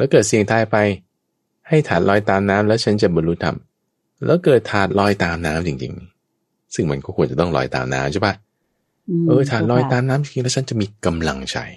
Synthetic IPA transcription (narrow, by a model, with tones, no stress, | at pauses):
lɛ˦˥wkɤː˨˩t̪̚si˨˩əŋt̪ʰaː˧jpa˧j | ha˥˩jt̪ʰaː˨˩t̪̚lɔː˧˥jt̪aː˧mnaː˦˥mlɛː˦˥wt͡ɕʰa˦˥nt͡ɕa˨˩bɔ˧luː˦˥t̪ʰa̰˧˩m | lɛ̰ː˦˥wkɤː˨˩t̪ʰːaː˨˩t̪̚lɔː˧jt̪aː˧˥mnaː˦˥mt͡ɕi˧ŋt͡ɕḭ˧ŋ | sɯ˥˩ŋma˧nkʰɔ˥˩kʰu˧ənt͡ɕa˨˩t̪ɔ˥˩ŋlɔ̰ː˧jt̪a̰ː˧mna̰ː˦˥mt͡ɕʰa˦˥˩pʰa˦˥˩ | ʔɤː˧t̪ʰaː˨˩t̪̚lɔː˧˥jt̪aː˧mnaː˦˥mt͡ɕi˨˧ŋt͡ɕi˧ŋlɛː˦˥wt͡ɕʰa˦˥nt͡ɕa˨ʔmiː˧ka˧mla˧ŋt͡ɕʰa̰˧˩j